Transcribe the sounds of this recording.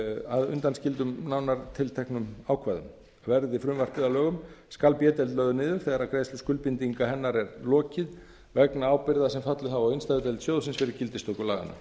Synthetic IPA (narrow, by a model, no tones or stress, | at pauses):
aðʏ̰nt̪anscɪlt̪ʏmnawnaɾ̥t̪ʰɪlt̪ʰɛhknʏmaːwkʰvaːjðʏ̰m | vɛɾðɪfɾʏmvar̥pɪðalœːɣʏm | skalpjɛːt̪ɛlt̪lœːɥðʏnɪːðʏɾ̥θɛːɣaɾaðkɾeːjst̪ʏskʏlpint̪iŋkaɦɛnːaɾɛɾlɔːcɪð | vɛknaaːwpɪɾðasɛmfat̪lʏhavawɪnst̪ajðʏt̪ɛlt̪sjoːwðsɪnsfɪɾɪɾcɪlt̪ɪst̪okʏlaːɣa̰na̰